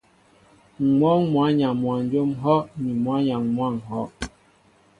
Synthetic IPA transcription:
mɔ˦ŋmwa˨˦ɲa˨mwa˨n˦d͡ʒo˦mɦɔ˦ʔni˨mwa˨˦ɲa˨ŋmwa˦˨ŋɦɔ˦ʔ

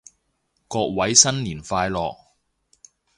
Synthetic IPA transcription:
kɔː˧k̚wɐ˨˥jsɐ˥nliː˨˩nfaː˧jlɔ̰ː˨k̚

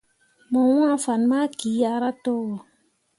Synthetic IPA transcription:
mɔ̃˨wã˦˨fa˨n˦ma˦ki˨˦a˧ɾa˦tɔ˦wɔ˨

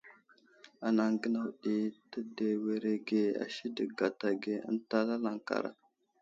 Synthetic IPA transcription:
a˨na˨ŋɡə˦na˨wɗi˦tə˦de˨we˨ɾe˨ɡe˨a̰˨ʃi˦də˨ɡa˨ta˨ɡe˦ə̰˦nta˦la˦la˨ŋka̰˨ɾa̰˨

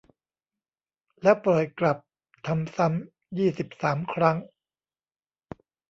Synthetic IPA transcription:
lɛ˦˥pɾɔ˨˩jkla˨˩p̚ | t̪ʰa˧msa˦˥m | jiː˥˩si˨˩p̚saː˩˦mkʰɾa˦˥ŋ

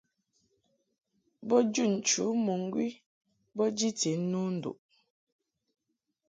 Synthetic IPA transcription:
bɔ˦d͡ʒu˦˨n̩˨t͡ʃṵ˨˦mo˨ŋ˦ɡwi˦ | bɔ˦d͡ʒi˦te˨˦nu˦n̩˨do̰˨ʔ

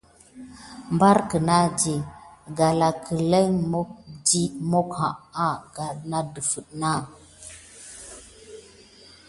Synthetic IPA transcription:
mba˦ɾkə˨na˦d͡ʒe˨ɡa˨la˨kʰə˨le˦ŋmo˦k̚d͡ʒi˦mo˦kha̰˨ʔa˦ɡa˨na˦də˨fə˨ɗna˦˨

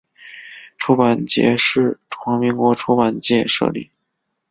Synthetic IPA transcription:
ʈ͡ʂʰu˧˥pa˨˩nt͡ɕjɛ̰˧˥ʂɻ̩˥˩ʈ͡ʂʰwɑ˧˥ŋmi˧˥ŋkwɔ˧˥ʈ͡ʂʰu˧˥pa˨˩nt͡ɕjɛ˥˧ʂɤ̰˥˧lḭ˥˩

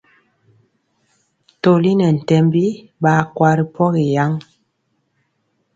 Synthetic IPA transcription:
to˨li˦nɛ˨n̩˨tɛ˨mbi˦ | ɓa˨kwa˨ɾi˨pʰɔ˦ɣi˨ja˦ŋ

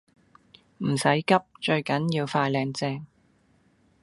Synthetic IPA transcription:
m̩˨˩sɐ˨˥jkɐ˥p̚t͡ʃɵ˧ɥkɐ˨˥njiː˧wfaː˧jlɛː˧ŋt͡sɛː˧ŋ

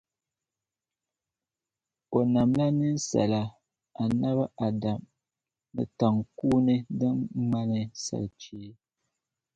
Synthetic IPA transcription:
o˨na˨mla˦nɨ˦n˦sa̰˨la˨ | a˨na˦βa˦ʔa˨da˨m | nɨ̰˨ta˨ŋkuː˦nɨ˦dɨ˦m˦ma˦nɨ˨sa̰˨lt͡ʃeː˦

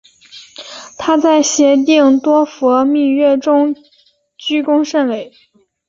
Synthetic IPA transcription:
t̪ʰa˥t͡sa˥˩ɪɕjɛ˧˥t̪i˥˩ŋt̪wɔ˥fɔ˧˥mi˥˧ɥɛ˥˩ʈ͡ʂʊ˥ŋ | t͡ɕy˥kʊ˥ŋʂə˥˩nwe˧˥ɪ

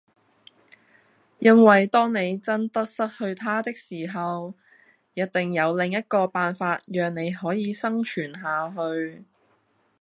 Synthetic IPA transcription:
jɐ˥ŋwɐ˨jt̪ɔː˥ŋne˨˧jt͡sɐ˥nt̪ɐ˥t̚sɐ˥t̚hɵ˧ɥt̪ʰaː˥t̪ɪ˥k̚siː˨˩ɦɐ˨w | jɐ˥t̚t̪ɪ˨ŋjɐ˨˧wlɪ˨ŋjɐ˥t̚kɔː˧paː˨nfaː˧t̚jœː˨˧ŋne˨˧jɦɔː˨˥jiː˨˧sɐ˥ŋt͡ʃʰyː˨˩nɦaː˨ɦɵ˧ɥ

